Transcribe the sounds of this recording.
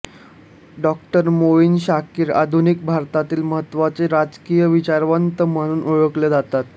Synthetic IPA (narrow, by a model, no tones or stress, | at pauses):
ɖɔk̚ʈəɾmoʋiːnɕakiːɾa̰d̪ʱunik̚bʱaɾt̪at̪iːlməɦət̪ːʋat͡seɾad͡zkijəʋit͡ɕaɾʋənt̪əməɽ̃uːnʔoɭəkled͡zat̪at̪